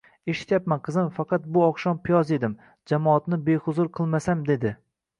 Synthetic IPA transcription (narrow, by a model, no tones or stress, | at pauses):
e̞ʃɪ̥t̪japmanqʰɨzɪmfɑqʰɑt̪̚bʊɒqʃɒmpʰɪjɒze̞d̪ɪm | d͡ʒamɒːt̪nɪbe̞hʊzʊɾqʰɨlˠmasamd̪e̞d̪ɪ